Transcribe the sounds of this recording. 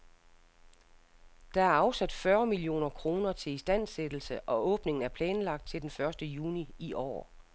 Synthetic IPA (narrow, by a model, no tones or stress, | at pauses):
d̥ɑ̈æɐɑ̈ʊsæd̥fɶːɐmilio̝̰ːnɐkʰʁo̝ːnɐt͡sʰe̝isd̥æn̰sed̥l̩səʔɒ̽ɔ̽ːb̥ne̝ŋn̩æɐpʰlɛːnlɑ̈ɡ̥d̥̚t͡sʰe̝ld̥enfɶɐsd̥əjuːniiʔɒ̰ː